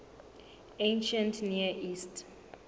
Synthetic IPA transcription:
ẽnʃãntʰniaʔistʰ

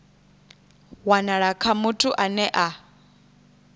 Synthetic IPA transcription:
wanaɺakʰamutʰuʔanɛʔa

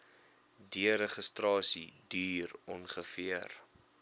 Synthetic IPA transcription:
diəɾəχəstrɑːsidyːrɔnχəfiər

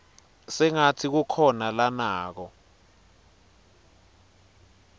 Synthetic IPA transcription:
sɛŋatʰik̬ukʰɔnalanaːk̬ɔ

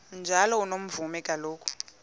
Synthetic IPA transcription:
nd͡ʒʱalɔunom̩vumɛkʼaloːkʰʼu̥

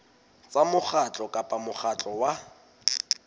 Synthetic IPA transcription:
t͡samʊχat͡ɬʼɔkʼapʼamʊχʰat͡ɬʼɔwa

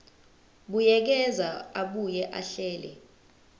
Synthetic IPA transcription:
ɓujɛk̬ɛzaaɓujɛʔa̰ɬɛːlɛ̰

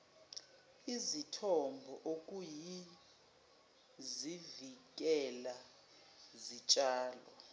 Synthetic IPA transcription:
izitʰɔmbʱɔʔok̬ʼuji | zivik̬ʼɛla | zit͡ʃʼaːlɔ

